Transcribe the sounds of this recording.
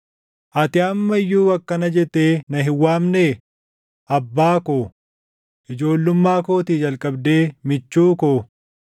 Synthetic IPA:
ʔɐt̪ɪɐmːɐjːuːɐkːɐnɐd͡ʒɛt̪ːeːnɐɦɪwːaːmneː | ʔɐbːaːkoː | ʔɪd͡ʒo̞ːlːʊmːaːkoːt̪id͡ʒɐlkʼɐbd̪e̞ːmɪt͡ʃːuːkoː

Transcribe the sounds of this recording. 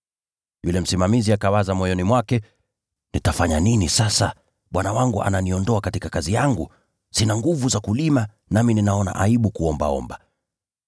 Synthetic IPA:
julɛm̩simamiziakawazamɔjɔnimwakɛ | nitafaɲaninisasa | ɓwanawaŋɡuʔa̰naniɔndɔakatikakazijaŋɡu | sinaŋɡuvuzakulima | namininaɔna̰ʔaiɓukuɔmba̰ɔ̰mba

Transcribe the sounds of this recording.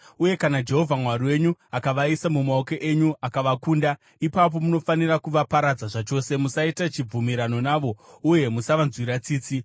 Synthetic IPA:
uje̞kanad͡ʒe̞ɦo̞vʱamwariwe̞ɲuakaʋaisamumaokeʔeɲuakaʋakuːnda | ipap̬o̞muno̞fanirakuʋapaɾad͡zaʐat͡ʃo̞ːse̞musaitat͡ʃib͡vumiɾano̞naːʋo̞uje̞musaʋanzwiɾat͡siːt͡si

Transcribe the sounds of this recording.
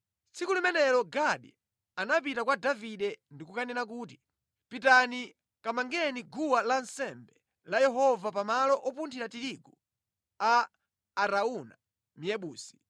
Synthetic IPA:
t͡sʰikulimɛnɛlɔɡaɗi | anap̬itakwadaviɗɛndikukanɛnak̬uːti | pitani | kamaŋɡɛniɡuwalansɛmbɛ | lajɛɦɔvapamalɔʔɔpuntʰiɾatiɾiɡu | aː | ɾauna̰ | mijɛɓuːsi̥

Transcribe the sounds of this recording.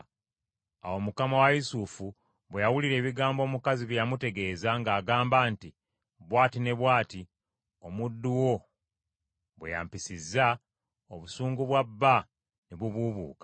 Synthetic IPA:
awo̞mukamawajisufu | βwejawuliɾe̞ːβiɡaːmbo̞ːmukaziβjejamute̞ɡe̞ːzaŋɡaːɡaːmbaːnti | βwaːtine̞βwaːti | o̞mudːuwo̞ | βwḛja̰mpisizːa | o̞βusuːŋɡuβwabːa | niβuβuβṵːkḁ

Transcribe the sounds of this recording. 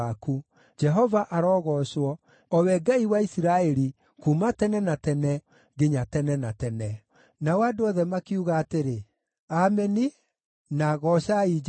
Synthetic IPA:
aku | d͡ʒɛɦɔvaʔaɾɔːɣɔːʃwɔ | ɔwɛɡaiwaisiɾaɛɾi | kumatɛnɛnatɛnɛ | ɡeɲatɛnɛnatɛnɛ | nawadoɔðɛmakiuɣaːteɾe | amɛni | naɣɔʃaid͡ʒ

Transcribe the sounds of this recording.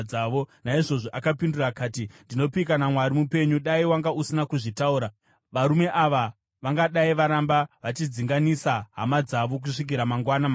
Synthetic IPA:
aʋo̞naiʐo̞ʐoʔakapindurakaːtindino̞pikanamwaɾimupe̞ɲuɗaiwaŋɡausinakuʐitauːɾa | ʋaɾume̞ʔaʋa | ʋaŋɡaɗaiʋaɾambaʋat͡ʃid͡ziŋɡanisaɦa̰mad͡zaʋo̞k̬uʂik̬iɾamaŋɡwanama

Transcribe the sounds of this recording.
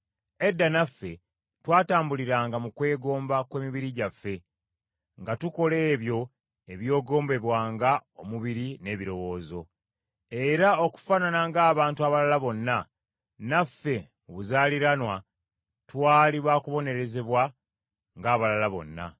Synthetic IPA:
e̞dːanafːe̞ | twaːtaːmbuliɾaːŋɡamukwe̞ːɡo̞ːmbakwe̞ːmiβiɾiɟafːe̞ | ŋɡatuko̞le̞ːβjo̞ | e̞βjo̞ːɡo̞ːmbe̞βwaːŋɡao̞muβiɾine̞ːβiɾo̞wo̞ːzo̞ | e̞ɾao̞ku̥fananaŋɡaːβaːntuaβalalaβo̞nːa | nafːe̞muβuzaːliɾanwa | twaːliβaːkuβo̞ne̞ɾe̞ze̞βwa | ŋɡaːβalalaβo̞̰nːa̰

